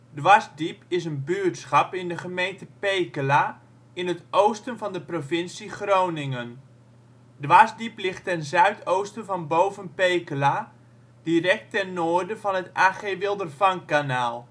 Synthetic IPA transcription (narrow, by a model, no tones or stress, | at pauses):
dʋasdipɪsənbyːtsχɑpɪndəχəmejntəpejkəla | ɪnətʔowstənvɑndəprovɪnsiχrownɪŋən | dʋaːsdiplɪχtɛnzœɥtʰowstənvɑnbowvənpejkəla | d̥irɛk̚tɛnnoːrdəvɑnɦətaːχeʋɪlˠdərfɑŋkanaːlˠ